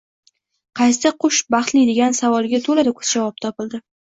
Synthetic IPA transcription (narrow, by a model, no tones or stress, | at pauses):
qʰɑjst̪ɪqʰʊʃbɑχt̪lɪd̪eɡʲansavɒlˠɡʲat̪ʰolad̪ɪkʰʊ̥z̥d͡ʒavɒp̚t̪ʰɒpɪld̪ɪ